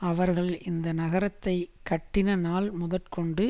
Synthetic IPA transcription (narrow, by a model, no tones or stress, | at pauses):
ɐʋɐɾɣɐɭɪnd̪ɐnɐɣɐɾɐt̪ːɐɪkːɐʈːɪnɐnaːlmʊðɐʈkɔɳɖɯ